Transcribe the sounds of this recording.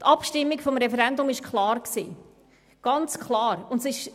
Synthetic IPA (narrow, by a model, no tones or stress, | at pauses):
tʰɑpʃtɪmːikfɔmɾɛfɛɾɛndʊmɪʃkʰlɑːɾksḭː | ɡ̥ɑnt͡skʰlɑːɾʊntsɪʃ